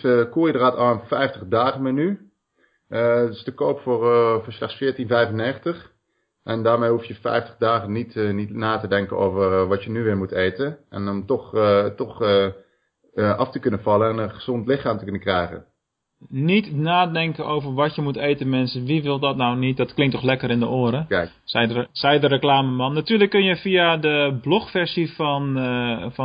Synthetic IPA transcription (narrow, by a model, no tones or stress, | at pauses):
kuːjədəraːtɑlənfɛjftəχdaːχəmany | stəkowpfoɹfːɹslɛχsfɪːɹtinvɛjvənːeːχəntəχ | ʔɛndaːɹmejɦufjəfɛ̰jftəχdaːχənitnitnaːtədɛŋkəno̰wvərʋɑtjənyʋɪːɹmutejtənʔɛ̰nɔmtɔχtɔχ | ʔɑftəkønənfɑlˠəɛnənχəz̥ɔntlɪxaːmtəkønəkrɛjɣə̰ | nitnaːdɛŋkənʔowvərʋɔtjəmutejtənmɛnsənʋiʋɪlˠdɔtnawnit̚dɔtklɪŋktɔxlɛkərɪndəoːɾə | sɛsɛjdərəklaːməmɑnːatyːləkːønjəfiadəblɔxfɛrsifɔnf